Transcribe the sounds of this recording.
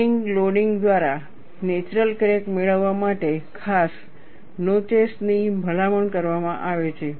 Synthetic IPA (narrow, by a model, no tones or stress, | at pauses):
iŋɡloɖiŋɡd̪ʋaɾa | net͡ʃɾəlkɾekmeɭəʋːamaʈekʰas | not͡ʃesnibʱəlaməɳkəɾʋamãʔaʋet͡ʃʰe